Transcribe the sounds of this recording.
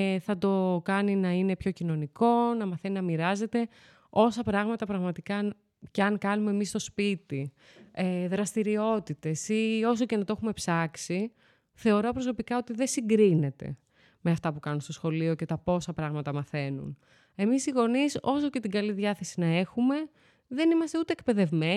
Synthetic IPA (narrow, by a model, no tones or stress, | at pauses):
θɐt̪o̞kɐninɐine̞pço̞cino̞niko̞nɐmɐθeninɐmiɾɐze̞t̪e̞ | o̞sɐpɾɐɣmɐt̪ɐpɾɐɣmɐt̪ikɐn | ceɐŋkɐnumeːmist̪o̞spit̪i | eðɾɐst̪iɾio̞t̪it̪e̞sio̞s̬oce̞nɐt̪oe̞xume̞psɐksi | θe̞o̞ɾo̞pɾo̞so̞pikɐo̞t̪iðe̞siŋɡɾine̞t̪e̞̰ | meɐft̪ɐpukɐnunst̪osxo̞lio̞ce̞t̪ɐpo̞sɐpɾɐɣmɐt̪ɐmɐθe̞nṵn | e̞misiɣo̞niso̞so̞ce̞t̪iɡɐliðʝɐθe̞sinɐe̞xume̞ | ðe̞nimɐst̪e̞ut̪eek̚pe̞ðe̞vme̞